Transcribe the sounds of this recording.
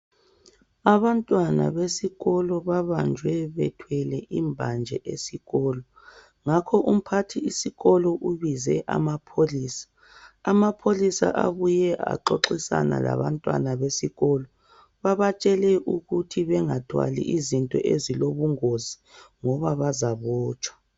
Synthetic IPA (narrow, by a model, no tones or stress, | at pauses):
aβantʼwana̰βesiɣɔlɔβaβand͡ʒʱwɛβɛtʰwɛlɛʔimbʱand͡ʒʱɛ̰ʔesiɣɔːlɔ | ŋakʰɔʔum̩pʰatʰiisiɣɔlɔʔuβizɛʔa̰mapʰoliːsḁː | mapʰolisa̰ʔaβujɛʔa̰ǃoǁisa̰na̰la̰βantʼwa̰naβesiɣɔlɔ | βaβat͡ʃʼɛlɛʔuɣutʰiβɛŋadʰʱwa̰lḭʔizintʼɔ̰ʔeziloβuŋozi | ŋɔβaβazaβɔːt͡ʃʼwḁ